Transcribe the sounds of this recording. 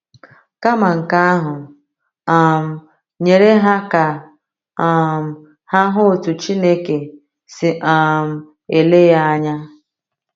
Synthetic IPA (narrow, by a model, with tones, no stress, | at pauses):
ka˦ma˨ŋ̩˨ka˦ɦʊ˨ | a˨m̩˨ | ɲe˨ɾe˦ɦa˦ka˨ | a˨m̩˨ | ha˦ɦʊ˦o˨tu˨t͡ʃi˦ne˦ke˨ | sɪ˨ʔa˨m̩˨ | e˨le˦ja˦a˦ɲa˦